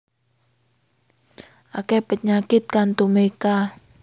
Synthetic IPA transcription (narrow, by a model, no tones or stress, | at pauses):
ʔakɛpət̪ɲakɪt̪̚kant̪umeka